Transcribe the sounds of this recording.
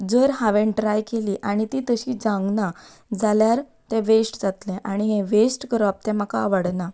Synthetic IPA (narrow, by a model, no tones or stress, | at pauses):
d͡zəɾɦaʋẽɳʈɾajkeliːʔaɽ̃it̪iːt̪əɕid͡zãŋɡna | d͡zaljaɾ | t̪ɛ̃ʋesʈd͡zat̪lɛ̃ʔaɽ̃iɦẽʋesʈkəɾap̚t̪ɛ̃m̤aka̰ʋəɽna